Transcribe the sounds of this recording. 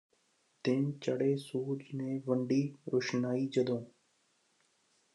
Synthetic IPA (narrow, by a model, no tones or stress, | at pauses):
t̪ɪnt͡ʃəɽeːsuːd͡ʒnẽːʋəɳɖiːɾʊʃnaːiːd͡ʒəd̪õː